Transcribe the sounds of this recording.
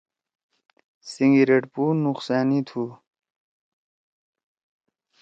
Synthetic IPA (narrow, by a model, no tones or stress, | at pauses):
siŋɡiɾeʈpunuqsaːnit̪ʰu